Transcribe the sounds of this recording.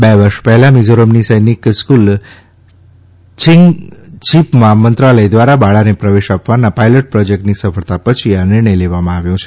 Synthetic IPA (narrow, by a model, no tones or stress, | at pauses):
beʋəɾʃpɛɦɛlamid͡ʒoɾəmnisəjnikskul | t͡ʃiŋɡt͡ʃʰipmãmə̃nt̪ɾaləjd̪ʋaɾabaɭanepɾəʋeʃapʋanapajləʈ̚pɾɔd͡ʒek̚ʈnisəfəɭt̪apət͡ʃʰianɪɾɳəjleʋamãaʋjõt͡ʃʰe